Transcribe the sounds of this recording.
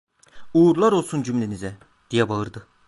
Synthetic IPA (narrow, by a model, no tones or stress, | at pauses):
uːɾlˠaɾo̞lˠsund͡ʒymlʲenizɛ | d̪̥ijɛbaɯɾd̪ɯ